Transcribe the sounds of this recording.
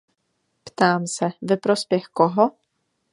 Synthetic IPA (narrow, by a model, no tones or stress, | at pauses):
pt̪aːmsɛvɛpɾospjɛxkɔɦɔ